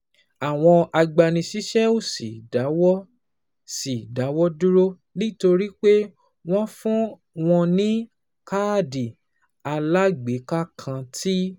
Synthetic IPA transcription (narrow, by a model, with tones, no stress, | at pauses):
a˨w̃ɔ̃˧a˧ɡ͡ba˧nĩ˧ʃi˦ʃɛ˦o˦˨si˨da˨˦wɔ˦ | si˨da˨˦wɔ˦du˦ɾo˦ | nĩ˦to˧ɾi˦k͡pe˦ | w̃ɔ̃˦fũ˦ | w̃ɔ̃˧nĩ˦ | ka˦di˨ | a˧la˦ɡ͡be˨˦ka˦kʰã˧tʰi˦